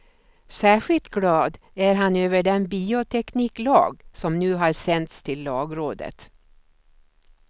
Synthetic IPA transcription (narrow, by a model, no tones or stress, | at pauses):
sæːɧɪlt̪ɡlɑːd̪ | æɾɦanøːvəɖɛnbiːʊt̪ʰɛkniːklɑ̰ːɡsɔmnʉːɦɑɾsɛnt̪st̪ʰɪlːɑːɡɾoːd̪ə̰t̪